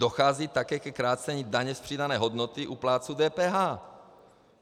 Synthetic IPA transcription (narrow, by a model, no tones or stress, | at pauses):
doxaːziːt̪akɛːkɛkɾaːt͡sɛɲiːdaɲɛspr̝̥iːdanɛːɦod̪not̪ɪʔuplaːt͡sud̪ɛːpɛːɦaː